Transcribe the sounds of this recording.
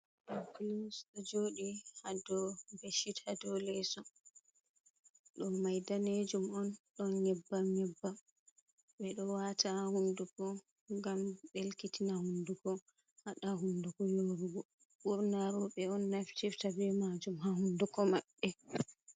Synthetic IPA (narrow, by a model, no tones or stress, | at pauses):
klusɗɔd͡ʒoːɗihadɔbeʃithadɔlɛsɔ | ɗɔnmajdaned͡ʒumɔnɗɔnɲɛbːaɲɛbːam | ɓɛɗɔwatahundukɔ | ŋɡamɓelkitinahunduɡɔ | haɗaɦundukɔjoɾuɡɔ | buɾnaɾɔɓɛɔnːaftiftabɛmad͡ʒumhahundukɔmaɓːɛ